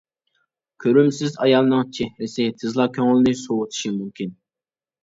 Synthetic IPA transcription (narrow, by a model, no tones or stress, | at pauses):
kʲʰøɾymsɪzɑjɑlˠnɨŋt͡ʃʰɛhɾɪsɪt̪ʰɨzlˠɑkʲʰøŋɪlɪnɪsowʊt̪ʰɨ̥ʃimymkʲin